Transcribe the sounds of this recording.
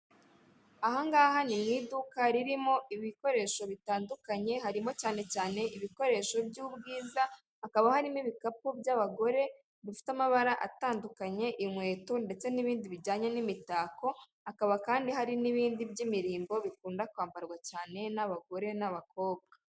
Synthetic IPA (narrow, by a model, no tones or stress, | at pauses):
aɦaŋɡaːɦanimŋiːdukaɾiɾimo̞iβiko̞ɾe̞ːʃo̞βitaːndukaɲe̞haɾimo̞caːne̞caːne̞ʔiβiko̞ɾe̞ːʃo̞bɟuːbɡiːza | hakaβahaɾimiβikap̚ubjaβaɡo̞ɾe̞ | dufi̥tamaβaɾaʔataːndukaɲe̞ʔimwe̞ːtonde̞t͡se̞niβiːndiβiɾɟaːɲe̞nimitaːko̞ | akaβakaːndiɦaɾiniβiːndibɟimiɾiːmbo̞βikuːndakwaːmbaɾɡwacaːne̞naβaɡo̞ɾe̞naβako̞ːβɡa